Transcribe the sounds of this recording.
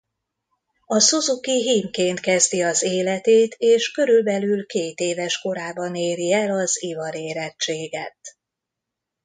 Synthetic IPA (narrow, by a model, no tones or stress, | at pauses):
ɒsozukiɦiːmkeːnt̪kɛzd̪iɒzeːlɛt̪eːt̪ʰeːʃkø̞ɾylbɛlylkeːt̪eːvɛʃko̞ɾaːbɒneːɾiɛlɒzivɒɾeːɾɛtt͡ʃːeːɡɛt̪̚